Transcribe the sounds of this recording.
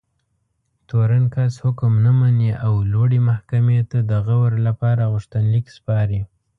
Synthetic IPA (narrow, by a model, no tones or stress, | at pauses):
t̪oɾankashʊkmnamaniʔawloɽemahkamet̪ad̪əɣawəɾlapɑɾaɣʊʃt̪anlikspɑɾi